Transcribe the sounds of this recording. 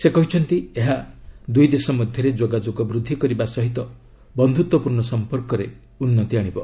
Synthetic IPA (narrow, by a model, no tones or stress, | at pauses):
sekɔɦit͡ʃʰɔnt̪ieɦad̪ujd̪esɔmɔd̪ʱjɔɾed͡ʒoɡad͡ʒoɡɔbɾud̪ʱːikɔɾibasɔɦit̪ɔ | bɔnd̪ʱut̪wɔpuɾɳɔsɔmpɔɾkɔɾe | unːɔt̪iaɽ̃ibɔ